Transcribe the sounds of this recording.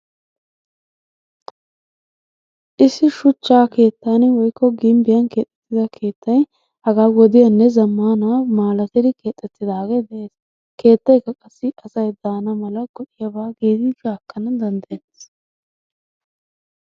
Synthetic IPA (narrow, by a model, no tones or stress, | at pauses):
ʔɪsːɪʃʊt͡ʃːaːke̞ːt̪ːanwɔjkːɔɡɪmbɪjɐnke̞ːt̪ʼːɛ̥t̪ːɪd̪ɐkʰe̞ːt̪ːɐj | hɐɡaːwɔd̪ɪjɐnːɛzɐmːaːnaːmaːlɐt̪ɪd̪ɪke̞ːt̪ʼːɛt̪ːɪd̪aːɡeːd̪ɛʔe̞ːs | ke̞ːt̪ːɐjkːɐkʼɐsːɪɐsɐjd̪aːnɐmɐlɐɡɔᶑɪjɐbaːɡiːd̪ɪd͡ʒaːkːɐnɐd̪ɐnd̪ɐjenːes